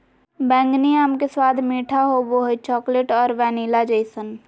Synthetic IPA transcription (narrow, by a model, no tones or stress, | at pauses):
bɛ̃ːŋɡniaːmkeswaːd̪ʱmiːʈʰaɦoboːɦet͡ʃɔːkleʈɔːɾʋɛːniːlad͡ʒeɪsən